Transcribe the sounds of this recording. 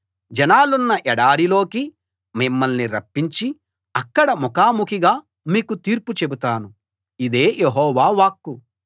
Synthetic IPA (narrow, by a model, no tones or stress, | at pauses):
d͡ʒɐnaːlunːɐʔɛɽaːɾilo̞ːki | mimːɐlniɾɐpːiɲt͡ʃi | ɐkːɐɽɐmɔkaːmukʰiɡaː | miːkut̪iːɾput͡ʃe̞but̪aːnu | id̪e̞ːjʔeɦɔːʋaːʋaːkːu